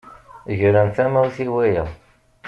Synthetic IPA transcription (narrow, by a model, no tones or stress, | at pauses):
ʝɾænθæmæwθiwæjæ